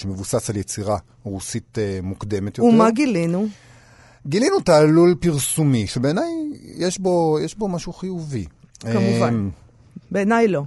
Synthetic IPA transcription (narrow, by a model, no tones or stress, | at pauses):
ʃemevusasaljet͡siʁa | ʁusit̪emukd̪e̞met̪joummaɡilinu | ɡilinutaːlulpiʁsumiʃebeːnajjeʃbo̞jeʃbo̞maʃuχijuvieamuvam | beːnajlo̞